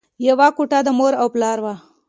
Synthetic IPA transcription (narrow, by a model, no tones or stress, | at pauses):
jawakuʈad̪əmoɾawplɑːɾwa